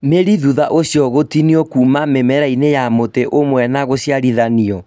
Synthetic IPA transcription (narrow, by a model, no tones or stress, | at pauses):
meɾiðuðaʔosjɔɣotiniɔkuːmamemɛɾainejamoteʔomwɛnaɣosjaɾiðaniɔ